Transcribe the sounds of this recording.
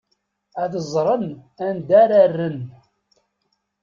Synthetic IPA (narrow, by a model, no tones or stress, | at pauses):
æθəzˤɾˤənænd̪æɾarːən